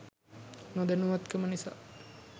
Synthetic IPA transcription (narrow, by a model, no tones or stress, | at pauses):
nõd̪enuʋat̪kəmənisa̰ː